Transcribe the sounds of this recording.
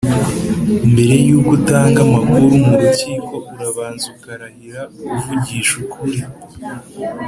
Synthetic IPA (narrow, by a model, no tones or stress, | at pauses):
mbe̞ɾe̞juːɡutaːŋɡamakuɾumuɾuciːko̞uɾaβaːnzukaɾahiɾauβuvuɟiːʃukʰuɾi